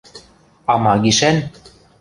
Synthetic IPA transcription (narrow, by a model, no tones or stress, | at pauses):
ɑmɑɡiʃæn